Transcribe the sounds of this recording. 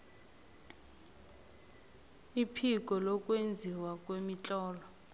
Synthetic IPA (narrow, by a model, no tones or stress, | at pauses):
ipʰik̬ʼɔlɔkʼwend͡zʱiwakʼwemit͡ɬʼɔːlɔ